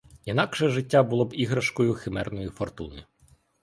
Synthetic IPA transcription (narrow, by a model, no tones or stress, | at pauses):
inɑkʃɛʒɪtʲːabʊlˠɔbiɦɾɐʃkɔjʊxɪmɛrnɔjifɔrt̪unɪ